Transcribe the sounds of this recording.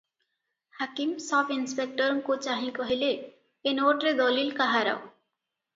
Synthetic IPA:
hakimsɔbinspek̚ʈɔɾɔŋkot͡ʃaɦĩkɔɦileː | noʈɾed̪ɔlilkaɦaɾa̰o

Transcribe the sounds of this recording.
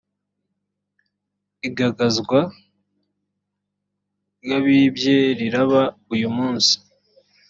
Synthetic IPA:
iɡaɡazɡwa | jaβiːbjeɾiɾaβaujumuːnsi̥

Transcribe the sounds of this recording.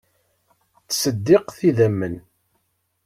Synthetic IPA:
t͡sːsəd̪ːɪqθiðæmːən

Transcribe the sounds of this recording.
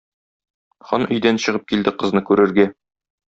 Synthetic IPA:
χɒnʔɵ̆jd̪ænɕɤ̆ʁɤp̚kild̪ɘqɤ̆znɤkʉɾɘ̆ɾɡæ

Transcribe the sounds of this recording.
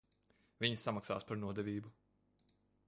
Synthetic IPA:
vʲiɲsːamaksa̰ːspaɾnuɔd̪ɛvʲiːbu

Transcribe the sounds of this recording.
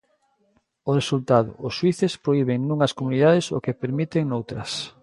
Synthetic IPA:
ʊresult̪aðʊ̰ʊsːwiθespɾoiβeŋnũŋɐskomuniðaðɪso̰kepeɾmit̪eŋnowt̪ɾɐs

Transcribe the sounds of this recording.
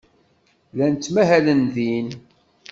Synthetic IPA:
lænt͡s̪ːmæɦælənðin

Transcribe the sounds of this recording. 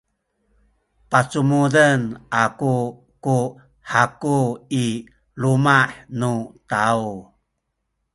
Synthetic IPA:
pat͡sumudənaku | ku | ħakui | lumaħnutau

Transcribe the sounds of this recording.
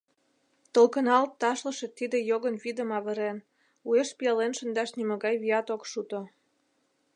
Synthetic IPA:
t̪əlkənɑlt̪ːɑʃləʃĕt̪ːid̪ĕjoɣənβid̪əmɑβəɾen | ueʃpiɑlenʃə̆nd̪ɑʃnymə̆ɣɑjβiɑt̪okʃut̪o

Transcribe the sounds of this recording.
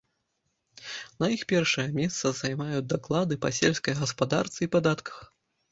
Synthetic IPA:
nɐjixpʲɛrʂɐjɐmʲɛst̪sɐzajmajud͡z̚ʲd̪aklˠad̪ɨpɐsʲɛlʲsʲkɐjɣɐspad̪a̰rt̪sɨipad̪at̪kʰɐ̥x

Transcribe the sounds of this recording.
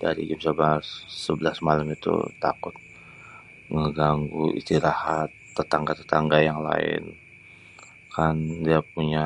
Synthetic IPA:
daɾḭɡɪmsəbasːəbəlasmalamit̪ṵt̪a̰kʊt̪̚ | ŋəɡaŋɡuʔḭst̪iɾahat̪ːət̪aŋɡat̪ət̪aŋɡajaŋla̰ɪ̰n | kʰandiap̚uɲa

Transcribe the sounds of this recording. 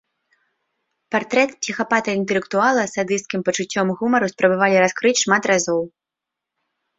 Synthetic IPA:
part̪ɾɛt̪psʲixapat̪ɐint̪ɛlʲɛkt̪ualˠɐsad̪ɨst̪kʲimpɐt͡ʂut͡sʲːɔmɣumɐɾuspɾɐbavalʲiɾaskɾɨt͡sʲʂmat̪razɔw

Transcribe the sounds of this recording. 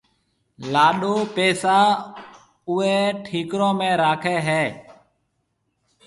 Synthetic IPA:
laːɗuːpeːsaː | ʊeːʈʰiːkɾõːmẽːɾaːkʰeːɦeː

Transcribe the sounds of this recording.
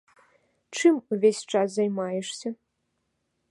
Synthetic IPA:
ʈ͡ʂɨmuvʲesʲt͡ʂaszɐjmajɛʂsʲɐ

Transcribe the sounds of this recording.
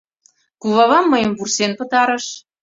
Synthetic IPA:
kuβɑβɑmːəjəmvursenpə̆t̪ɑɾə̆ʃ

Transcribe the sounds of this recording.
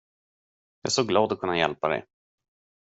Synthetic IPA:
jɑ̰ːsoːɡlɑːd̪ɔkʰɵnːajɛ̰lpad̪ɛ̰j

